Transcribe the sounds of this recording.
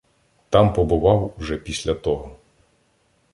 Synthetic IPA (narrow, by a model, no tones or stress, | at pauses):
t̪ɑmpɔbʊʋɑwwʒɛpʲisʲlʲɐt̪ɔɦɔ